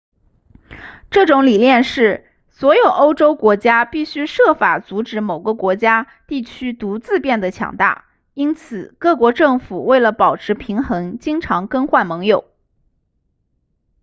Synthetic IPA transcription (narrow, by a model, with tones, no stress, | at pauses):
ʈ͡ʂɤ˥˩ʈ͡ʂʊ˧˥ŋli˨˩ljɛ˥˧nʂɻ̩˥˩ | swɔ˧˥jo˨˩ʊʔo˥ʊʈ͡ʂo˥ʊkwɔ˧˥t͡ɕja˥pi˥˩ɕy˥ʂɤ˥˩fa˨˩t͡su˧˥ʈ͡ʂɻ̩˧˥mo˨˩ʊɡə˧kwɔ˧˥t͡ɕja˥ | t̪i˥˩t͡ɕʰy˥t̪u˧˥t͡sɹ̩˥˧pjɛ˥˩nd̪ə˩t͡ɕʰjɑ̰˨˥˩ŋt̪a̰˥˩ | i˥nt͡sʰɹ̩˨˩kɤ˥˩kwɔ˧˥ʈ͡ʂɤ˥˩ŋfu˨˩we˥˩ɪlə˩pɑ˨˩ʊʈ͡ʂʰɻ̩˧˥pʰi˧˥ŋxɤ˧˥ŋt͡ɕi˥ŋʈ͡ʂʰɑ˧˥ŋkə˥ŋxwa˥˩nmɤ˧˥ŋjo˨˩˦ʊ